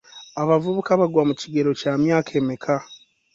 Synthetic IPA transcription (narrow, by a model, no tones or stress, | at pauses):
aβavuβukaβaɡwamuciɡe̞ɾo̞caːmjaːkʰe̞ːmekʰa